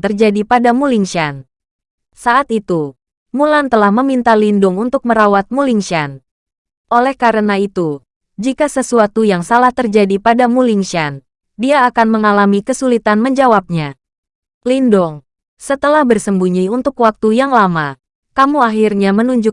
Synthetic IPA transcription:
t̪ərd͡ʒadipadamuliŋʃan | saʔat̪it̪u | mulant̪əlahməmint̪alindʊŋunt̪ʊk̚məɾawat̪̚muliŋʃan | ʔolɛhkaɾənait̪u | d͡ʒikasəsuat̪ujaŋsalaht̪ərd͡ʒadipadamuliŋʃan | diaːkanməŋalamikəsulit̪anməɲd͡ʒawap̚ɲa | lindʊŋ | sət̪əlahbərsəmbuɲiunt̪ʊkwak̚t̪ujaŋlama | kamuaɦirɲamənuɲd͡ʒʊ

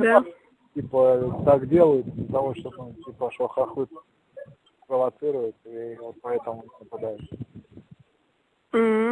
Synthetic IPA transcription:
d̪a | tʲipət̪akdʲelˠəjɪt̪ɪzt̪avoʂt̪onutʲipəʂoxaxɨ | pɾəvɐt̪sɨɾʊjɪt̪ivot̪̚pɐɛt̪əmʊnəpad̪ajʊt̪ | m̩

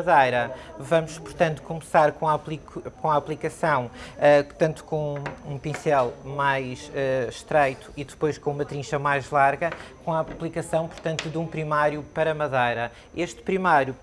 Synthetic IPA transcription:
ɐðɐjɾɐvɐmuʃpuɾt̪ɐ̃nt̪u̥kumsaɾkõaplˠikkõaːplˠikɐsɐ̃w̃ɛt̪ɐ̃nt̪u̥kõũpĩsɛlˠmajʃɛʃt̪ɾɐjt̪u̥iðɨpojʃkõumɐt̪ɾĩʃɐmajʒlˠaɾɣɐkõapβlˠikɐsɐ̃w̃puɾt̪ɐ̃nt̪uðũpɾimaɾjupɐɾɐmɐðɐjɾɐ | eʃt̪pɾimaɾju

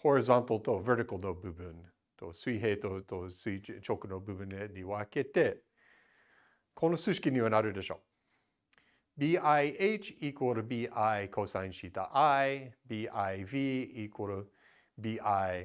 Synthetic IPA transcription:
hɔɹɨzɑ̃nt̪l̩ˠt̪ʰovɛ˞ɾɨkl̩ˠnoʊbʉbɨn | tʰo̰swiɦetotʰoswit͡ʃoʊkənoʊbʉbɨnediwaket̪e | kʰõnosʉʃkɪnʉənaðə˞dəʃo̰ʊ | biaɪʔeɪt͡ʃikʰwəɾəbiʔaɪkʰoʊsãɪ̃nʃitə̰ʔaɪbiʔaɪviikʰwoɾə | biʔaɪ

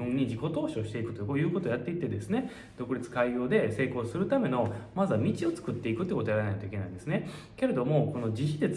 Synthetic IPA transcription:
ɯ̟̃ɲ̟ːid͡ʑiko̞t̪o̞ːɕo̞ːɕi̥t̪e̞ikɯ̟t̪o̞kojɯ̟ːko̞t̪ojat̪ːeit̪ːe̞d̪e̞sɨne̞ | d̪̥o̞kɯ̟ɾʲit͡sɨ̥kaio̞ːd̪e̞se̞ːko̞ːsɨɾɯ̟t̪ame̞no̞mazɨamʲit͡ɕio̞t͡sɨ̥kɯ̟t̪ːe̞ikɯ̟t̪ekot̪ojaɾanakt̪oike̞naĩnd̪esɨne̞ | ke̞ɾe̞d̪o̞mo̞ko̞no̞d͡ʑiçʲid̪e̞

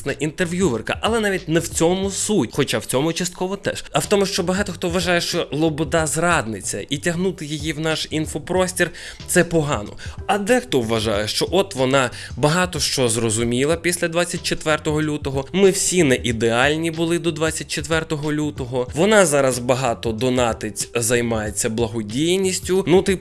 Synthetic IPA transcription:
nɐʔint̪erʋʲjuʋerkɐ̰ʔɐlˠɛnɑʋʲit̚ʲnɛwt͡sʲɔmʊsutʲxɔt͡ʃawt͡sʲɔmʊt͡ʃɐst̪̚kɔʋɔt̪ɛ̰ʃɐwt̪ɔmʊʃt͡ʃɔbɐɦɑt̪ɔxt̪ɔʋʋɐʒɑjɛʃt͡ʃɔlˠɔbɔd̪ɑzrɑd̪nɪt͡sʲɐ̰itʲɐɦnut̪ɪjijiwnɑʃinfɔpɾɔsʲtʲir | t̪sɛpɔɦɑ̰nɔ̰ɐd̪ɛxt̪ɔʋʋɐʒɑ̰jɛʃt͡ʃɔʔɔt̪ʋɔnɑ | bɐɦɑt̪ɔʃt͡ʃɔzrɔzʊmʲilˠɐpʲisʲlʲɐd̪ʋɑt͡sʲːɐt̚ʲt͡ʃet̪ʋɛrt̪ɔɦɔlʲut̪ɔɦɔmɪwsʲinɛʔid̪eɑlʲnʲibʊlˠɪd̪ɔd̪ʋɑt͡sʲːɐt̚ʲt͡ʃet̪ʋɛrt̪ɔɦɔlʲut̪ɔɦɔʋɔnɑzɑɾɐzbɐɦɑt̪ɔd̪ɔnɑt̪ɪtʲzɐjmɑjet͡sʲːɐblˠɐɦɔdʲijnʲisʲtʲʊnut̪ɪ

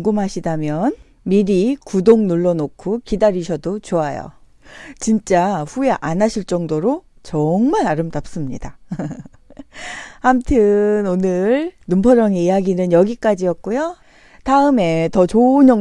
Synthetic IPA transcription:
ŋɡumɦaɕʰidamjʌn | miɾikudoŋnuɭːʌnokʰukidaɾiɕʰʌdot͡ɕoajo̰ | t͡ɕint͡ɕ͈aɸue̞ʔanɦaɕʰiɭt͡ɕ͈ʌŋdoɾot͡ɕʌŋmaɾaɾɯmdap̚s͈ɯmɲida | hamtʰɯnonɯɾnumpʰʌɾʌŋeijaɡinɯnjʌɡik͈ad͡ʑijʌk̚k͈ujo | taɯme̞tʌt͡ɕoɲjʌ

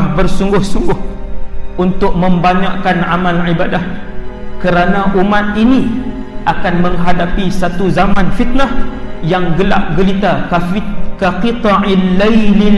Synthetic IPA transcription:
hbərsuŋɡʊhsuŋɡʊh | ʔunt̪ʊk̚mə̃mbaɲaʔkanʕamalʕibadahkəɾanaʔumat̪̚ini | ʔakanməŋɦadapisat̪uzamanfit̪̚nahjaŋɡəla̰ʔ̚ɡəlit̪akkəqit̪ɑʕilːali

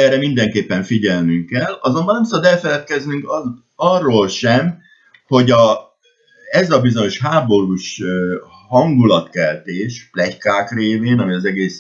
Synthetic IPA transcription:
ɛːɾɛmind̪ɛŋkeːpːɛɱfiɟɛlnyŋkɛlɒzo̞mbɒnɛmsɒbɒd̪ɛlfɛlɛt̪̚kɛznyŋk | ɒrːoːlʃɛm | ho̞ɟɒ | ɛzɒbizo̞ɲo̞ʃɦaːbo̞ɾuʃø | hɒŋɡulɒt̪kɛlt̪eːʃflɛckaːkreːveːnɒmiɒzɛɡeːs

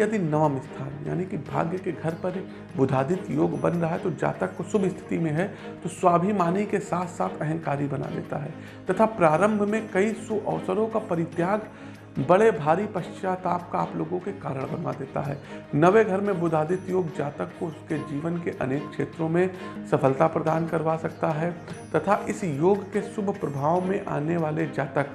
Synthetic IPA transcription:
ɐd̪inɐʋəmɪst̪ʰaːnja̰ːnikibʱa̰ːɡjəkeɡʱɐɾpɐɾ | bʊd̪ʱaːd̪ɪt̪joːɡbɐ̃nɾɐɦaɦɛt̪od͡ʒa̰ːt̪əkːosʊbʱɪst̪ʰɪ̥t̪imẽɦɛ | t̪oswaːbʱimaːnikesaːt̪ʰsaːt̪ʰɛɦə̃ŋkaːɾibɐna̰d̪ḛːt̪a̰ɦɛː | t̪ɐt̪ʰapɾaːɾə̃mbʱmẽkɐisuʔɔːsəɾõkapɐɾɪt̪jaːɡ | bɐɽebʱaːɾipɐʃt͡ʃaːt̪aːp̚kaaːploːɡõkekaːɾəɽ̃bɐnʋa̰d̪eːt̪a̰ɦɛːnɐʋeɡʱɐɾmẽbʊd̪ʱaːd̪ɪt̪joːɡd͡ʒaːt̪əkːoʊsked͡ʒiːʋənkeʔɐ̰neːkkʃeːt̪ɾõmẽsɐfəlt̪apɾɐd̪aːnkɐɾʋasɐkt̪aɦɛt̪ɐt̪ʰaʔɪsjoːɡkesʊbʱpɾɐbʱaːʋmẽʔa̰ːneʋaːled͡ʒaːt̪ək

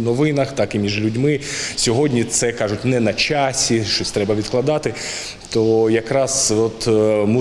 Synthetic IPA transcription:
nɔʋɪnɐxt̪ɑkimʲiʒlʲʊdʲmɪsʲɔɦɔdʲnʲit̪sɛkɑʐʊtʲnɛnɐt͡ʃɑsʲiʃt͡ʃɔsʲt̪ɾɛbɐʋʲit̪klˠɐd̪ɑt̪ɪ | t̪ɔjɐkɾɑzɔt̪mu

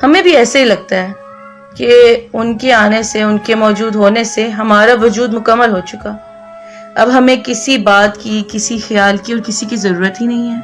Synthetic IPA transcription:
hɐmẽbʱiɛːsaɦilɐɡ̚t̪aɦɛː | keʊnkeaːneseʊnkemɔːd͡ʒuːd̪ɦoːneseɦɐmaːɾaʋʊd͡ʒuːd̪mʊkəmːəlɦot͡ʃʊkaː | ɐ̰bɦɐmẽkɪsibaːt̪kikɪsixɐjaːlkiɔːɾkɪsikizɐɾuːɾət̪ɦinɐɦĩɦɛː

